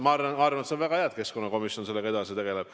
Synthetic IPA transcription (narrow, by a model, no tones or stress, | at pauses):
mɑɑrvɑnɑrvɑnet̪sevæɡ̥ɑheɑd̪̥̚ke̞sko̞nːɑko̞misio̞nse̞lːe̞ɡɑed̪ɑsit̪e̞ɡ̥e̞leb̥̚